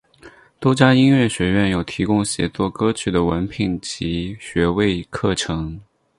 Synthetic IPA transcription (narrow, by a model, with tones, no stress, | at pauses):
t̪o˥t͡ɕja˥i˥nɥɛ˥˩ɕɥɛ˧˥ɥɛ˥˩njo˨˩ʊt̪ʰi˧˥kʊ˥ŋɕjɛ̰˧˥t͡swɔ˥˩kɤ˥t͡ɕʰy˥˩d̪ə˩wə˧˥npʰi˨˩nt͡ɕʰi˧˥ɕɥɛ˧˥we˥˧ɪkʰɤ˥˩ʈ͡ʂʰɤ˧˥ŋ